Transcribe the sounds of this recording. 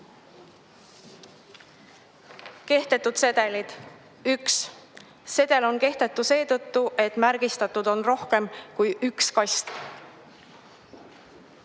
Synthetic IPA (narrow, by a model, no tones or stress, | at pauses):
ke̞ht̪e̞t̪ːˑud̪̥se̞d̪̥e̞lid̪̥ | yks | se̞d̪̥e̞lo̞nke̞ht̪e̞t̪ːˑuse̞ːt̪ɤt̪ːuʔe̞t̪ːˑmæɾɡ̥ist̪ɑt̪ːˑud̪̥o̞nro̞hke̞mkujʔykskɑjst̪